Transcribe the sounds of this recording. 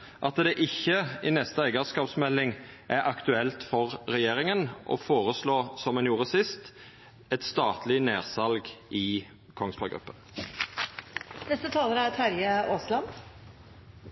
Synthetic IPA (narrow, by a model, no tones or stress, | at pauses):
ʔɑt̪d̪ɛʔɪçːəɪnɛst̪əæɪɡɑskɑːpsmɛlːɪŋ | ʔæɾʔɑkt̪ʉɛlt̪fɔʁɾɛjeːʁɪŋənʔɔ̰foːʁəsloːsɔmːɛnjuːʁəsɪst̪ | ɛt̪st̪ɑːt̪lɪneːʁsɑlɡʔɪ | kʰɔŋsbɑɡɾʉ̰pːən | nɛst̪ət̪ʰɑːləɾæɾt̪ʰæɾjəoːslɑn